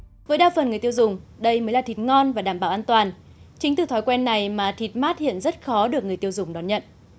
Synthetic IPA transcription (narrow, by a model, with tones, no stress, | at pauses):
vəː˨˦jɗaː˧wfə˨˩nŋɨ˨˩əjt̪i˧ə˧wzʊ˨˩ŋ͡mɗə˧jməː˨˦jlaː˨˩t̪ʰi˨˩t̚ŋɔ˧nvaː˨˩ɗaː˧˩mɓaː˧˩wʔaː˧nt̪waː˨˩n | t͡ɕï˨˦ŋ̟t̪ɨ˧˩t̪ʰɔː˨˦jkwɛ˧nːa˨˩jmaː˨˩t̪ʰi˨˩t̚maː˦˥t̚hḭ˧˨ənzə˦˥t̚xɔ˨˦ɗɨ˨˩ək̚ŋɨ˨˩əjt̪i˧əwzʊ˨˩ŋ͡mɗɔ˨˦nɲə̰˧˨n